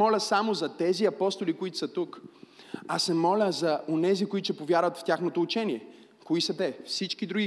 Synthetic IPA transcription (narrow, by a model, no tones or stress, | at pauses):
ɔlʲəsamozɐt̪ɛziɐpɔst̪olikoit̪ʊ̥sɐt̪uk | asɛmɔlʲəzɐonɛzikʊit̪ʊt͡ʃɛpovʲjaɾvɐt̪ft̪ʲjaxnot̪oːt͡ʃɛniɛ | koisɐt̪ɛfsit͡ʃk̟id̪ɾuɡʲi